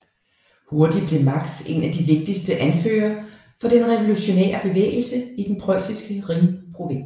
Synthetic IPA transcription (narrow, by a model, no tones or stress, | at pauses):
ho̝ɐd̥i̥b̥le̝mɑ̈ɡ̥se̝̰næd̥iʋe̝ɡ̥̚d̥isd̥əʔænfø̰ːɐ | fɒ̽d̥enʁɛʋo̝luɕo̝nḛːɐb̥e̝ʋḛːɪl̩səid̥enpʰʁɒɪsisɡ̥əʁiŋpʰʁo̝ʋe̝n̰s